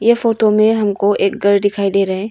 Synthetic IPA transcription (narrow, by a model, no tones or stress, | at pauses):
jepʰotomeɦɐmkʰoʔek̚ɡəɾdikʰajdeɾaj